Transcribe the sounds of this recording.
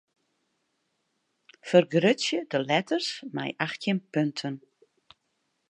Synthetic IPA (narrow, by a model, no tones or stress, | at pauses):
fərɡrøsjədəlɛtʰərsmɛ̰jʔaxtjənpøntʰən